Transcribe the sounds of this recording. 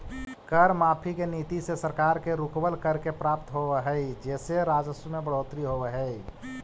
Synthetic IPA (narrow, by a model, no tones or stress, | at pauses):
kəɾmaːpʰikenit̪isesəɾkaːɾkeɾukbəlkəɾkepɾaːp̚t̪ɦoʋeɦəid͡ʒɛːseɾaːd͡ʒəsəmebəɽoːt̪ɾiɦobeɦɛi